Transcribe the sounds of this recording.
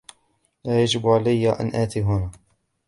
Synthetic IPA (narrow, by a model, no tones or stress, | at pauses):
laːjad͡ʒɪbʕalajːaʔa̰nʔaːt̪iːɦʊnaː